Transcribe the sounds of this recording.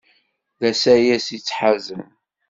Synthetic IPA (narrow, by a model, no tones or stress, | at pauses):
ðæsæjæsit͡sːħazəm